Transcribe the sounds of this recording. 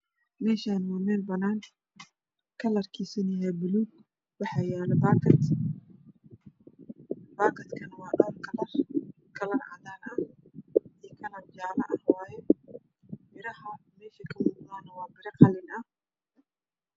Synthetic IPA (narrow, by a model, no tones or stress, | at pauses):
mɛːʃaːnmɔːmɛːlbɐnaːŋ | kʰɐlɐrkʰiːsɪnɪjɛːbɪluːɡ | wɑħɑːjɛːlɛbaːkʰɐt̪ | baːkʰɐt̪kʰɐnwɑːɗɔːrkʰɐlɐr | kʰɐlɐrʕɑ̰ðanɐ | ijkʰɐlɐrd͡ʒaːlɐʔɐhwɑːjɛ | mɪɾɐhɐmɛːʃɐkʰɐmuːqd̪aːnɐwɑːbɪɾɐqɑlɪnɐ